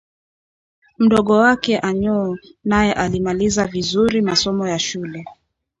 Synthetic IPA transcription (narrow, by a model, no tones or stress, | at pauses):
m̩ɗɔɠɔwakɛʔaɲɔːnajɛʔalimalizavizuɾimasɔmɔjaʃulɛ